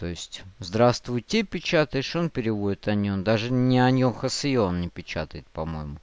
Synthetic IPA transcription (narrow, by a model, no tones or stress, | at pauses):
t̪o̞ɪsʲtʲzd̪ɾast̪vʊjtʲepʲɪt͡ɕat̪əjɪʂo̞npʲɪɾʲɪvodʲɪt̪ɐnʲond̪aʐɨnʲɪɐnʲoxəsɨjoonnʲɪpʲɪt͡ɕat̪əjɪt̪̚pɐmo̞̰jɪmʊ